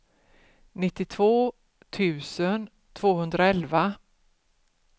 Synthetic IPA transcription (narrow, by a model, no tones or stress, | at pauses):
nɪt̪ːɪt̪ʰvoː | t̪ʰʉ̟ːsən | t̪ʰv̥oːhɵnd̪ɾaɛlva